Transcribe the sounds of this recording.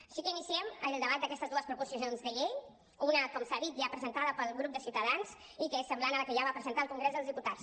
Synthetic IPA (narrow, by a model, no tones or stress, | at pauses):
əʃikəinisiɛmənlˠd̪əβat̪d̪əkɛst̪əzðuəspɾupusiozonzðəʎeʎ | unəkɔmsaðit̪̚ʒapɾəzənt̪aðəpəlˠɣɾup̚d̪əsiuwt̪əðanz | ikəesːəmblanələkəʒaβapɾəzənt̪aəlˠkuŋɡɾezðəlˠzðiput̪ats